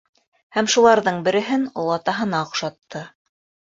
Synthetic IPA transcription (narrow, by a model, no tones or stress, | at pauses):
hæmʃulˠɑɾðɤɴbɘ̆ɾɘ̆ɦɘnolˠɑt̪ɑɦɤ̆nɑŏqʃɑt̪ʰːɤ